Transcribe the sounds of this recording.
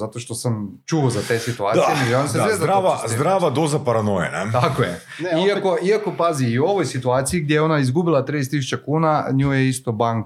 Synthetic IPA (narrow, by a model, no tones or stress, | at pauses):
zat̪o̞ʃt̪o̞samt͡ʃuozat̪e̞ːsit̪uaːt̪ijeniɡenseezaɾaazd̪ɾaʋad̪ozapaɾanojḛnet̪akoje | iako̞ʔiako̞paziːo̞ʋojsit̪uaːt̪sijiɡ̚d̪ʲjejeo̞naizɡubilˠat̪ɾiest̪ːisu̥t͡ʃakuːnaɲuːjeist̪obaŋk